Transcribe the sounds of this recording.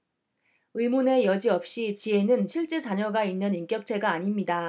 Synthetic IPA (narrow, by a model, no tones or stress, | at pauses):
ɯimune̞jʌd͡ʑiʌp̚ɕ͈it͡ɕie̞nɯnɕʰiɭt͡ɕ͈e̞t͡ɕaɲʌɡainːɯnimk͈jʌk̚t͡ɕʰe̞ɡaːɲimɲida